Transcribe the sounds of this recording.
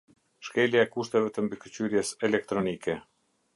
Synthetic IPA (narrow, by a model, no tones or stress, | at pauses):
ʃkɛljaɛkuʃt̪ɛvɛt̪əmbikət͡ɕyɾjɛsɛlɛk̚t̪ɾɔnikɛ